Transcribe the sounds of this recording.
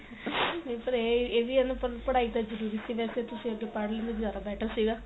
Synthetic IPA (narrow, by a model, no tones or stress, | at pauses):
nepəɾeːeːʋiənpəɾpəɽaːit̪ad͡ʒəɾuːɾiːsiʋɛːset̪ʊsĩəɡepaɽlẽnd̪azjaːɾabɛːʈʰasiːɡaː